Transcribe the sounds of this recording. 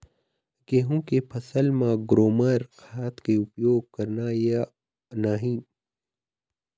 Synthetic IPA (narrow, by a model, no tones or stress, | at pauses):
ɡeːɦũːkepʰɐsəlmãɡɾoːməɾxaːt̪keupjoːɡ̚kɐɾnaːja | naːɦĩ